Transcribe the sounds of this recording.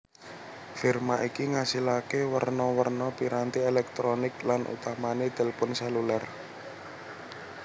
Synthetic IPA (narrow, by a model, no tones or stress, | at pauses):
firmaʔikiŋasilakewərnɔwərnɔpiɾant̪ielɛk̚t̪ɾonɪklanʔṵt̪amaned̪̥ɛ̤lpʊnsɛlular